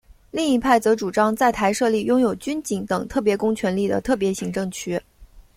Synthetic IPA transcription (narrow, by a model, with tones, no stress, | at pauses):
li˥˩ŋi˧˥pʰa˥˩ɪt͡sɤ˧˥ʈ͡ʂu˨˩ʈ͡ʂɑ˥ŋt͡sa˥˩ɪt̪ʰa˧˥ɪʂɤ˥˧li˥˩jʊ˥ŋjo˨˩ʊt͡ɕy˥nt͡ɕi˧˥ŋt̪ɤ˨˩ŋt̪ʰɤ˥˩pjɛ˧˥kʊ˥ŋt͡ɕʰɥɛ˧˥nli˥˩d̪ə̰˩t̪ʰɤ˥˩p̬jɛ˧˥ɕi˧˥ŋʈ͡ʂɤ˥˩ŋt͡ɕʰy˥